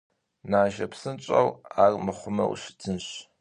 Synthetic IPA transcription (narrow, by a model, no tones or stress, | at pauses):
naːʒɐ̰psɨnt͡ʃʼɐ̰waːrmɨχʷʊmɐ̰w̰ɕɪ̥tʰɨnɕ